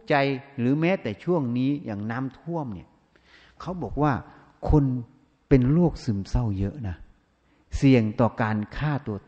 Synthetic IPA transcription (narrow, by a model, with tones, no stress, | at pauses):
t͡ɕa˧jɾɯː˨˩˦mɛː˦˥t̪ɛː˨˩t͡ɕʰu˥˩əŋniː˦˥jaː˨˩ŋnaː˦˥˨mt̪ʰu˥˩əmni˧˩ə | kʰa˦˥wbɔː˨˩k̚waː˥˩ | kʰo˧n | pe˧nloː˥˩k̚sɯ˨˧˩msa˧˥˩wjɤ˦˥ʔna˦˥ | si˨˧˩əŋt̪ɔː˨˩kaː˨˧nkʰaː˥˩t̪u˧ɐ